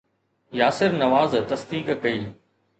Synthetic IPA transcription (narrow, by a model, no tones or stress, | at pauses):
jaːsɪɾnɐʋaːzt̪ɐsd̪iːkkɐiː